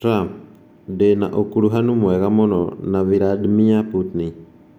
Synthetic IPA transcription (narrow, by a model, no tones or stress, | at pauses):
ɾa | dɛna̰ʔokuɾuɦanumuɛkamɔnɔnaβiɾadmiaput̪ni